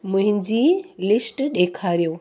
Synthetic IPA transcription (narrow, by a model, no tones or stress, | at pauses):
mʊ̃ɦɪ̃ɲd͡ʑilɪsʈɗeːkʰaːɾijoː